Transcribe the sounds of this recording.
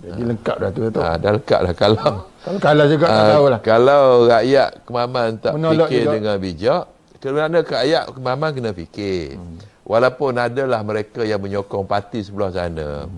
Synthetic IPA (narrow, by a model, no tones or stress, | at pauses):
d͡ʒadiləŋkaʔ̚dat̪uat̪o̰daləŋka̰ʔlahkalawkakalad͡ʒuɡat̪aulahkalawrajaʔkəmamannt̪aʔmnilɔkɪdəŋanbid͡ʒɔʔ | kənaʔnəkajaʔkəmamankənəpikɪ | wʔalawpʊnadalahməɾekajaŋməɲokɔŋpat̪isəbəlahsa̰na̰